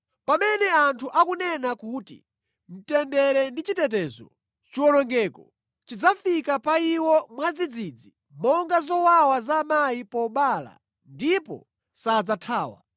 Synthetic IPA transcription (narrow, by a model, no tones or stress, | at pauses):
pamɛnɛantʰuʔakunɛnakuːtḭ | m̩tɛndɛɾɛndit͡ʃitɛtɛzɔ̰ | t͡ʃiwɔnɔŋɡɛːkɔ | t͡ʃid͡zafikapaiwɔmwad͡zid͡zid͡zi | mɔŋɡazɔwawazamajipɔɓala̰ | ndipɔ̰ | sad͡zatʰaːwa̰